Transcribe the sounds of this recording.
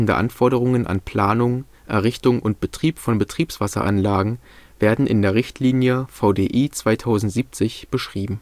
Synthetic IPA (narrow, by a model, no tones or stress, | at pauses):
n̩də̰ʔa̰nfɔɐɾəʁ̞ʊŋənʔa̰npʰl̥aːnʊŋ | ʔɛɐʁɪçtʊŋʔʊnt̚b̥ətʁ̥iːpfɔnbətʁ̥iːpsv̥asɐ̰ʔa̰nlaːɡŋ̩ | veːɐdn̩ʔɪ̰ndeːɐʁɪçtʰliːnjəfaʊdeːʔiːt͡sv̥aɪtʰaʊzn̩tz̥iːp̚t͡sɪçb̥əʃʁ̥iːbm̩